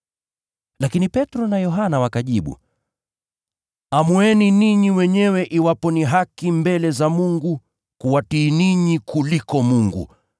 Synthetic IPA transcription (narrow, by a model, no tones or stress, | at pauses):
lakinipɛtɾɔnajɔɦanawakaʄiɓṵ | amuɛniniɲiwɛɲɛwɛʔiwapɔniɦakimbɛlɛzamuŋɡu | kuwatiːniɲikʰulikɔmuŋɡṵ